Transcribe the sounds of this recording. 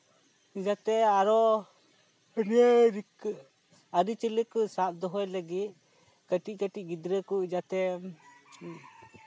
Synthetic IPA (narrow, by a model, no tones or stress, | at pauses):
id͡ʒat̪ɛaɾɔ | ɾəɾik | aɾit͡ʃələkusaʔ̚d̪ɔɦɔjləɡit̪̚ | kəʈic̚ˀkəʈic̚ˀɡid̪ɾəkuid͡ʒat̪ɛ